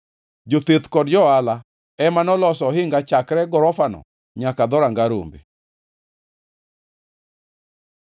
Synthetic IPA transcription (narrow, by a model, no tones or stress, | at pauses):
d͡ʒot̪et̪kɔdd͡ʒɔala | ɛmanɔlɔsɔhɪŋɡat͡ʃakɾɛɡɔɾɔfanɔ̰ | ɲakad̪ɔɾaŋɡaɾo̰mbḛ